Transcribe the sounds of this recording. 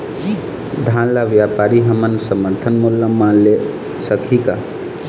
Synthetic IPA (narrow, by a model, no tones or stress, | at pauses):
d̪ʱanlaʋjapaɾiɦəmənsəməɾt̪ʰənmulːəmanle | səkʰika